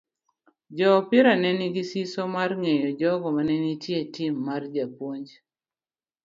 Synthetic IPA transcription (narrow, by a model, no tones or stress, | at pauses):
d͡ʒɔpɪɾanɛniɡisisomarŋejɔd͡ʒɔɡɔmanɛnitjetɪmːard͡ʒapwoɲd͡ʒ